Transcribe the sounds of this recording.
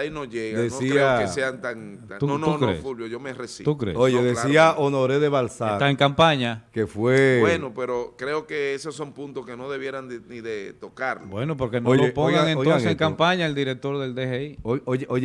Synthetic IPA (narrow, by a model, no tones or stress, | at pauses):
ainoʝeɣad̪enosiɾeaoeseant̪aŋt̪unukɾḛsfulβjoʝomeresḭt̪ukɾḛojeðesiaʔonoɾeðeβalsaet̪aeŋkampaɲakefwebwenopeɾokɾeokeesosːompunt̪oskeno̞ðe̞βje̞ɾand̪eniðet̪okaɾlobwenop̬o̞ɾkenoojopoŋɡaŋenoonseseŋkampaɲaeld̪iɾek̚t̪o̞ɾðe̞ld̪eheiooo